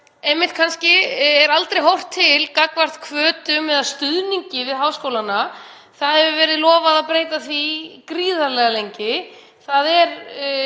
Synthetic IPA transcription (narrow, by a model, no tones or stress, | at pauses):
ɛmːɪht̪̚kʰanscɪɛɾalt̪ɾejɦowr̥t̪ʰːɪlkakvar̥t̪kʰvœːt̪ʏmɛðast̪ʏðniɲcɪvɪðɦaːwskowlanːa | θaðhɛvʏvɛːɾɪðlɔːvaðaðpɾeːjt̪aθvikɾiːðaɾlɛɣalejɲcɪ | θaðɛɾ